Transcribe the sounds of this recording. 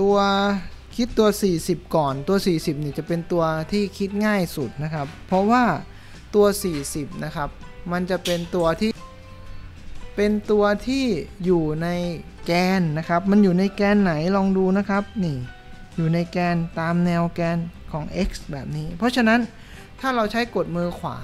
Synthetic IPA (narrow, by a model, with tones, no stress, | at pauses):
t̪u˧ɐ | kʰi˦˥t̪ːu˧ɐsiː˨˩si˨˩p̚kɔː˨˩nt̪u˧ɐsiː˨˩si˨˩p̚niː˥˩t͡ɕa˨˩pe˧nt̪u˧ɐt̪ʰiː˥˩kʰi˦˥t̪̚ŋaː˥˩jsu˨˩t̪̚na˦˥kʰa˦˥pʰːɔ˦˥waː˥˩ | t̪u˧ɐsiː˨˩si˨˩p̚na˦˥kʰa˦˥p̚ma˧nt͡ɕa˨˩ʔpe˧nt̪u˧ɐt̪ʰiː˥˩ | pe˧nt̪u˧ɐt̪ʰiː˥˩juː˨˩na˧j | kɛː˧nːa˦˥kʰa˦˥p̚ma˧njuː˨˩na˧jkɛː˧nːa˩˦jlɔː˧ŋduː˧na˦˥kʰa˦˥p̚niː˥˩ | juː˨˩na˧jkɛː˧nt̪aː˧mnɛ˧wkɛː˧nkʰɔː˩˦ŋʔe˦˥k̚sbɛː˨˩p̚niː˦˥pʰɔ˦˥t͡ɕʰa˧na˦˥n | t̪ʰaː˥˩ɾa˧wt͡ɕʰa˦˥jko˨˩t̪̚mɯː˧kʰwa̰ː˩˦